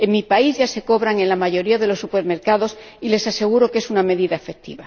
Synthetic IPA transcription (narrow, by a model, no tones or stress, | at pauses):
e̞ŋmipaizʝase̞ko̞βɾaŋe̞nlamaʝo̞ɾiaðe̞lo̞sːupe̞ɾme̞ɾkaðo̞s | ile̞sase̞ɣ̞uɾo̞ke̞suname̞ðiðaefe̞k̚t̪ḭβa